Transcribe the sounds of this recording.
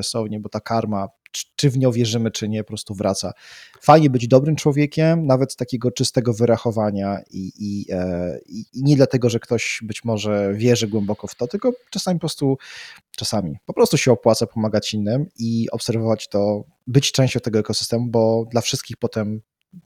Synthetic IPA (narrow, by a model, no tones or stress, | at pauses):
sɔvɲɛbɔt̪akʰaɾmḁ | t͡ʂɘvɲɔ̃w̃vʲjɛʐɘmɘt͡ʂɘɲɛpɔpɾɔst̪uvɾʔat̪sa | fajɲɛbɘd͡ʑd̪ɔbɾɘmt͡ʂwɔvʲjɛkʲɛmnavɛt̪ːakʲɛɡɔt͡ʂɨst̪ɛɡɔvɘɾaxɔvaɲaiʔi | iɲɛd̪lat̪ɛɡɔʐɛkt̪ɔɕbɘt͡ɕmɔʐɛvʲjɛʐɘɡwɛmbɔkɔft̪ɔt̪ɘlkɔt͡ʂasamʲipɔpɾɔst̪ut͡ʂasamʲḭpɔpɾɔst̪uɕɛɔpwat̪sapɔmaɡat͡ɕinːɘmiɔpsɛɾvɔvat͡ɕt̪ɔ | bɘt͡ɕt͡ʂɛ̃w̃ɕt͡ɕɔ̃w̃t̪ɛɡɔɛkɔsɘ̥st̪ɛmubɔd̪lafʂɘst̪kʲixpɔt̪ɛm